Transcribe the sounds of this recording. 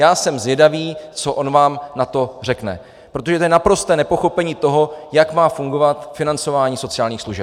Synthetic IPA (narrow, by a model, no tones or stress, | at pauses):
jaːsɛmzvjɛdaviːt͡soʔo̞nvaːmnat̪o̞r̝ɛknɛ̰ | pɾot̪o̞ʒɛt̪ojɛnapɾo̞st̪ɛːnɛpo̞xo̞pɛɲiːt̪o̞ɦo̞jakmaːfuŋɡo̞vat̪fɪnant͡so̞vaːɲiːso̞t͡sɪaːlɲiːxsluʒɛ